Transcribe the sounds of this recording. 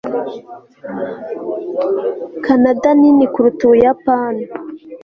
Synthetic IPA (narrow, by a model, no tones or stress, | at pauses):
kʰanadaninikuɾutujapan